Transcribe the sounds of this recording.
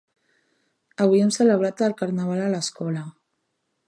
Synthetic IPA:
əβ̞ujɛmsələβ̞ɾat̪əlkaɾnaβ̞alələskɔlə

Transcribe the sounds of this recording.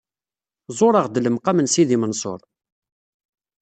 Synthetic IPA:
zˤoɾˤɑʁd̪ələmqamənsiðimənsˤo̰ɾˤ

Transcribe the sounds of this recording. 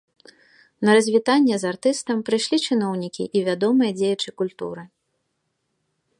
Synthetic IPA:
nɐɾɐzʲvʲit̪anʲːɛzart̪ɨst̪ɐmpɾɨjʂlʲit͡ʂɨnɔwnʲikʲḭʔivʲad̪ɔmɨjɐd͡zʲejɛt͡ʂɨkulʲt̪ṵɾɨ

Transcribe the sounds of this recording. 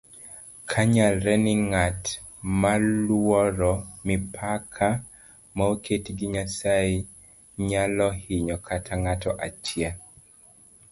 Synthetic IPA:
kʰaɲalɾɛnɪŋatmalwɔɾɔmipʰakʰa | maokʰetɡiɲasaɪ | ɲalɔhɪɲɔkʰatʰaŋatɔʔat͡ʃja

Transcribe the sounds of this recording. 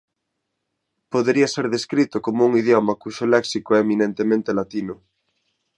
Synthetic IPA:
poðeɾiaseɾðeskɾit̪ʊkomouŋiðjomɐkuʃolɛksikoɛːmĩnẽnt̪emẽnt̪elat̪inʊ

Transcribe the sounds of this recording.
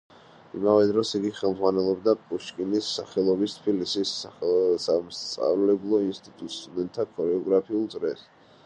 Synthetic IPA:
ḭmavɛd̪ɾɔsiɡiχɛlˠmzʁwanɛlˠɔbd̪apʼuʃkʼinisːaχɛlˠɔbist̪ʰpilisissamst̪sʼa̰vlɛblˠɔinst̪ʼit̪ʼut̪ʼst̪ʼud̪ɛnt̪ʰːakʰɔɾɛɔɡɾapʰiulˠd̪zʼɾɛs

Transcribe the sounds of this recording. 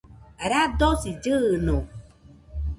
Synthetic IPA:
aɾad̪osid͡ʒɯno

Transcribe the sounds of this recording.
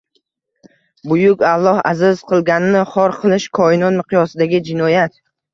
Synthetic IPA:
bʊjʊkʲalˠːɒha̰zɪz̥qʰɨlˠɡʲanɪnɪχɒɾqʰɨlˠɪʃkʰɒɪnɒnmɨqʰɨjɒsɪd̪aɡʲɪd͡ʒɪnɒjat̪

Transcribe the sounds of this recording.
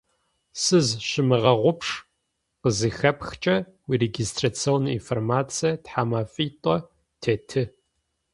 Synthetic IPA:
sɨzʃɪmɨʁɐʁʷʊpʰʂ | qəzɨxɐpxt͡ʃʼɐ | wireɡistʰrat͡sʰioːnḭnformaːt͡sʰʼijɐtħaːmaːfʼitʷʼɔ | tʰeːtʰɨ

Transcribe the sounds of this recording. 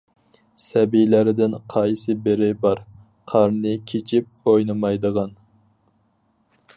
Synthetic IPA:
sɛbijlæɾɪd̪ɪnqʰɑjsɨbeɾɪbɑɾ | qʰɑɾnɨkʲʰet͡ʃʰip̚ojnɨmɑjd̪əʁɑn

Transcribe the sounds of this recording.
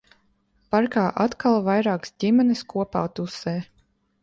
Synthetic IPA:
paɾkaːʔat̪kʰalˠvajɾaːksdimʲɛnɨskuɔpa̰ːt̪usɛː

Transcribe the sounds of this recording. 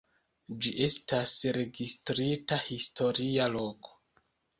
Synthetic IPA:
d͡ʒiʔe̞stasɾe̞ɡistɾitahisto̞ɾialo̞ko̥

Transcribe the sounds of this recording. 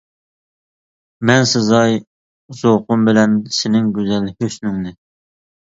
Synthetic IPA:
mɛnsɨzɑj | z̥oqʊmbɪlɛnsɪnɪŋɡʲøzɛlhøsnyŋnɪ

